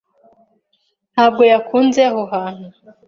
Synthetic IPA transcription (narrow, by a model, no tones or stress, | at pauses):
n̥haːb̚ɡo̞jakʰuːnzeɦoɦaːn̥hu